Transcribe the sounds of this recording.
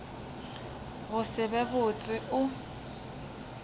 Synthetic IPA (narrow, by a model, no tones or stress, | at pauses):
ɣʊsɪbɛbʊt͡sʼɪʊ